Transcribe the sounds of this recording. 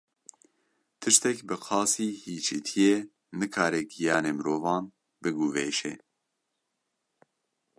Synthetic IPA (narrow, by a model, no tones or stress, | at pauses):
t̪ʰɨʃt̪ɛkbɨqʰɑːsiːhiːt͡ʃʰit̪ʰijeː | nɨkʰɑːɾɛɡijɑːneːmɨɾoːvɑːn | bɨɡuveːʃɛ